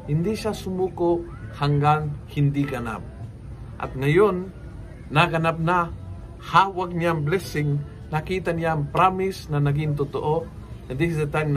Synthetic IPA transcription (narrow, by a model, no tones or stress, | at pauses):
hɪnd̪iʃasʊmuːkoʔ | haŋɡanhɪnd̪ikɐna̰p̚ | ʔa̰t̪̚ŋajonː | akɐnap̚na | hawak̚ɲaŋblɛsɪŋ | nakit̪anjaŋpɾamisnanaɡint̪̬ʊt̪oʔo | had̪isd̪et̪an